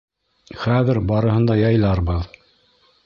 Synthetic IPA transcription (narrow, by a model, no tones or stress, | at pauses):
χæðɘɾbɑɾɤ̆ɦɤ̆nd̪ɑjɑjlˠɑɾbɤð